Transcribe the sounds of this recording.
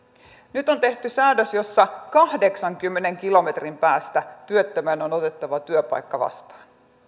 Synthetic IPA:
nyt̪o̞nt̪e̞ht̪ysæːdøsjo̞sːɑkɑhde̞ksɑŋkymːe̞ne̞ŋkilo̞me̞t̪rimpæːst̪æt̪yøt̪ːømænonot̪e̞t̪ːɑʋɑt̪yøpɑ̰jkːɑʋɑ̰st̪ɑ̥ːn

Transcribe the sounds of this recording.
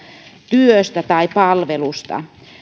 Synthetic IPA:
t̪yøst̪æt̪ɑipɑlʋelust̪ɑ̰

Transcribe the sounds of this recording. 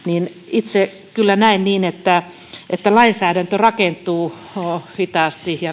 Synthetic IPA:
niːn | it̪se | kylːænæinniːnet̪ːæ | et̪ːælɑinsæːɾænt̪ørɑkent̪ˑuː | ohit̪ɑˑst̪ihjɑ

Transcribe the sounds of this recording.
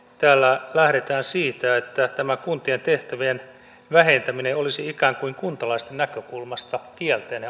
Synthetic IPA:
t̪æːlːælæhɾet̪æːnsiːt̪æet̪ːæt̪æmækunt̪ient̪eht̪æʋien | ʋæhent̪æmineolisiikæːŋkuiŋkunt̪ɑlɑist̪ennækøkulmɑst̪ɑkiælt̪eːnhe

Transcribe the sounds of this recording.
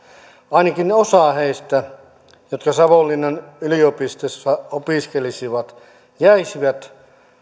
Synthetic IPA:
ɑinɑkinneosɑˑheist̪æ | jot̪kɑsɑʋolːinːɑnyliopist̪osːɑopiˑskelisiʋɑt̪ | jæisiʋæt̪

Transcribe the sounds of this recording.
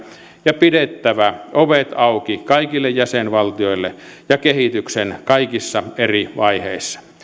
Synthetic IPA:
jɑpidet̪ːæʋæʔoʋet̪ɑukikɑikilːejjæsenʋɑlt̪ioilːejɑkehit̪yksenkɑikisːɑeriʋɑiheisːɑ̥

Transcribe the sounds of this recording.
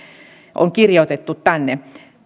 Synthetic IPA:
ʔo̰ŋkirjot̪et̪ːut̪t̪ænːe

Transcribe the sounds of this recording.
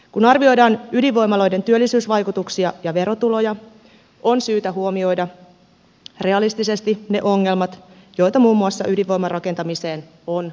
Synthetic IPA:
kunɑrʋio̞jdɑːnydiʋʋo̞jmɑlo̞jde̞nt̪yølːisyːsʋɑjkut̪uksiɑjɑʋe̞ɾo̞t̪ulo̞jɑ | ʔo̞nsyːt̪æɦuomio̞jdɑ | re̞ɑlist̪ise̞st̪ine̞̰ʔo̞ŋːe̞lmɑt̪jo̞jt̪ɑmuːmːuɑsːɑ̰ʔydiʋʋo̞jmɑrʔɑke̞nt̪ɑmise̞ːn | on

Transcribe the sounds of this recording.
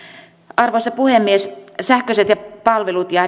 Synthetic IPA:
ɑrʋosɑpuhemːiessæhkøset̪jɑpɑlʋelut̪jɑ

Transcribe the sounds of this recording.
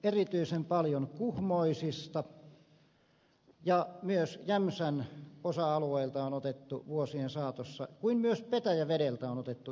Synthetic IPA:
erit̪yisempɑljonkuhmoisist̪ɑ | jɑmyøsjæmsænosɑɑlueilt̪ɑonot̪et̪ːuʋuosiensɑːt̪osːɑ̰kuinmyøspet̪æjæʋeɾelt̪æonot̪et̪ːu

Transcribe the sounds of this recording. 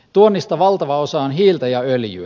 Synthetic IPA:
t̪uonːist̪ɑʋɑlt̪ɑʋɑosɑonɦiːlt̪ɑjɑøljyæ

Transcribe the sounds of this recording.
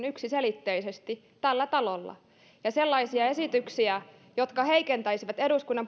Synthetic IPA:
nyksiselit̪ːeisest̪i | t̪ælːæt̪ɑlolːɑ̰ | jɑselːɑisiɑesit̪yksiæ | jot̪kɑhe̞ikent̪æisiʋæt̪eduskunːɑmp

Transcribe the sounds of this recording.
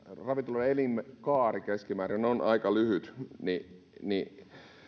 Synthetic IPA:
rɑʋit̪uloelimkɑːrikeskimæːɾineonʔɑikɑlyhyt̪ni | ni

